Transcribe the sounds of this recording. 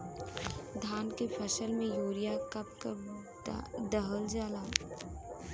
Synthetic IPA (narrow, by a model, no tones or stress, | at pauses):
d̪ʱaːnkepʰɐsəlmẽjuːɾijakɐp̚kə | d̪əɦəld͡ʒaːlaː